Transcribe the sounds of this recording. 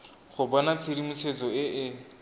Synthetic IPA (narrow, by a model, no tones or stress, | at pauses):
χʊbɔnat͡sʰɪɾimusʰet͡sɔɪʔɪ